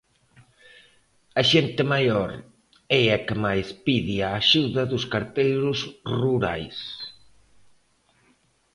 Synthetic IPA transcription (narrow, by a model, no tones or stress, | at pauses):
ɐʃent̪ɪmajɔɾ | ɛɐkɪmajspiðiaːʃuðɐðʊskaɾt̪ejɾʊsruɾa̰js